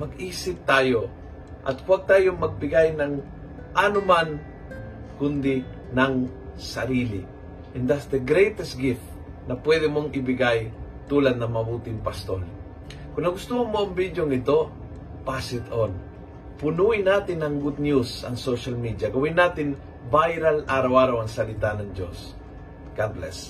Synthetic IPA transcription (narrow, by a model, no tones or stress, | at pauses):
mɐɡʔiːsɪp̚t̪aːjo | ʔɐ̰t̪̚kwaɡ̚t̪aːjomɐɡ̚bɪɡajnɐŋ | ʔanʊman | kʊnd̪ɪ | nɐŋ | sɐɾiːlɪ | ʔɛnd̪asd̪ɛɡɾejt̪ɛsɡɪft̪ | nɐpwɛːd̪ɛmoŋʔɪbɪɡaj | t̪uːlɐd̪̚nɐŋmɐbuːt̪ɪŋpɐst̪o̰l | kʊŋnɐɡʊst̪uhomoɐŋbid̪joŋɪt̪o | pasɪt̪on | pʊnuɪnaːt̪ɪnːɐŋɡud̪̚njusɐ̰ŋsoʃɐlmid̪jɐɡɐwɪnaːt̪ɪn | bajɾalʔaːɾɐwʔaːɾawɐŋsɐlɪt̪anɐŋd͡ʒo̰s | kad̪lɛ̰s